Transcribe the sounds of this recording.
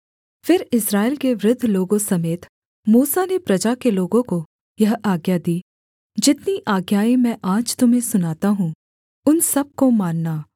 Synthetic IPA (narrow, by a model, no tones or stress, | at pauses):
fɪɾɪsɾaːɪlkeʋɾɪd̪ʱːloːɡõsɐmeːt̪ | muːsanepɾɐd͡ʒakeloːɡõko | jɐɦaːɡjad̪iː | d͡ʒɪt̪niʔaːɡjaːimɛ̃ʔaːd͡ʒt̪ʊmɦẽsʊnaːt̪aɦũ | ʊnsɐb̚komaːnːaː